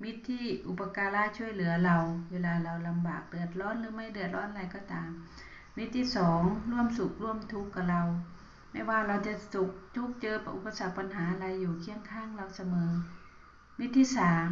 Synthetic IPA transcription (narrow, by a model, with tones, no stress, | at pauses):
mi˦˥t̪ʰːiː˧˥˨ʔu˧˩pːa˧kaː˧laː˧˨t͡ɕʰu˧˩əjlɯ˨˦ɐla˧wwe˧˩laː˧la˧wla˧mbaː˨˩k̚dɯ˨˩ət̪̚lɔː˧˥˨nlɯː˧˦ma˧˥˩jdɯ˨˩ət̪̚lɔː˧˥˨nla˧˩jkɔː˧˩t̪aː˨mː | i˧˥t̪ʰːiː˧˥˨sɔː˨˦ŋlu˧˥˩əmsu˨˩k̚lu˧˥˩əmt̪ʰu˧˦˥kːa˧˩la˧w | ma˧˥˨waː˧˩la˧wt͡ɕa˧˩su˧˩k̚t̪ʰu˧˥˩k̚t͡ɕɤː˧˨pa˧ʔu˧˩pːa˧sa˨˧˩k̚pa˧˨nɦaː˨˦˧la˧jːuː˨˩kʰi˧˥əŋkʰaː˧˥˩ŋla˧wsa˧mɤː˨˦ | mi˦˥t̪ʰːiː˧˥saː˨˦m